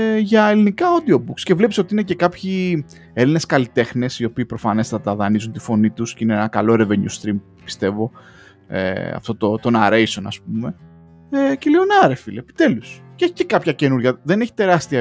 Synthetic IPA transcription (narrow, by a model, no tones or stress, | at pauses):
ʝɐelinikɐod̪io̞bukscevle̞piso̞t̪iine̞ce̞kɐpçi | eline̞skɐlit̪e̞xne̞sio̞piːpɾo̞fɐne̞st̪ɐt̪ɐðɐnizunt̪i̥fo̞nit̪usceineenɐkɐlo̞ɾeveɲṵst̪ɾim | pi̥st̪e̞vo̞ | ḛɐ̰ft̪o̞t̪o̞t̪o̞nɐɾejso̞nɐ̰sp̚ume̞ | ecelionɐɾefilepi̥t̪e̞lusceeçi̥cekɐpçɐce̞nuɾʝɐðe̞ne̞çi̥t̪e̞ɾɐst̪iɐ